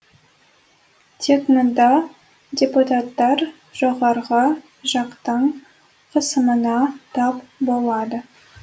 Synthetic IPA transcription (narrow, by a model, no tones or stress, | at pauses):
t̪ʲʰeknond̪ɑ | dʲeput̪at̪ːɑɾ | ʒ̥oʁɑɾʁə | ʒɑqt̪əɴ | qʰəsəmənɑt̪ʰɑpbo̞lˠɑd̪ə